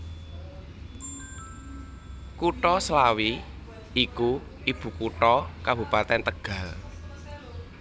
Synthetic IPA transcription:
kuʈɔslawi | iku | ib̥ṳkuʈɔkabṳpat̪ɛnt̪əɡ̥a̤l

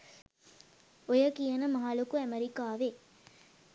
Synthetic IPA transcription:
ojɐkijɐnɐmɐɦalukuæmɐɾikaːʋe

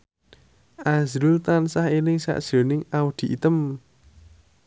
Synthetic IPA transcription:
ʔazɾult̪ansahenɪŋsa̰ʔd̥ʒ̥o̤nɪŋaud̪̥i̤ʔit̪əm

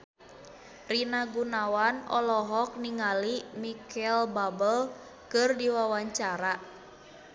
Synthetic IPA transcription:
rinaɡunawanɔ̰lɔɦɔk̚niŋalimikɛlbabəl | kɨrdiwawaɲt͡ʃaɾa

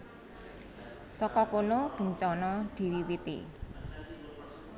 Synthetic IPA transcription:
sɔkɔkonob̥ə̤ɲt͡ʃɔnɔd̪̥i̤wiwit̪ḭ

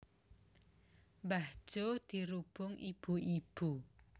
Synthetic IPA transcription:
bahd͡ʒ̥od̪̥i̤ɾub̥ʊŋʔib̥uʔib̥u

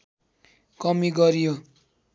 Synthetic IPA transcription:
kʌmiɡʌɾijo

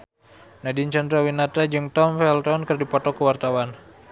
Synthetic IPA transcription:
nadint͡ʃand̪ɾawinat̪ad͡ʒɨŋt̪ɔmfɛlt̪ɔnkɨrdipɔt̪ɔkəwart̪awan

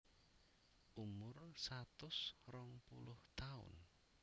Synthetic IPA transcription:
ʔumʊrsat̪ʊsrɔŋpulʊht̪aʊ̰n

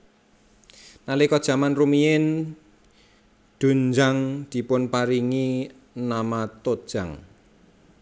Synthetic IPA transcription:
nalikɔd̥ʒ̥a̤manrumiɪn | d̪̥ṳnd͡ʒaŋd̪̥i̤pʊnpaɾiŋi | namat̪od̥ʒ̥aŋ

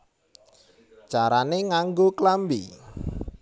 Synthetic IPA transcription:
d̥ʒ̥a̤ɾaneŋaŋɡoklambḭ

